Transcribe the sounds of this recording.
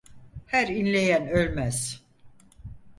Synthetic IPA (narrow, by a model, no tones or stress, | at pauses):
hæɾinlʲe̞jænølʲmæz̥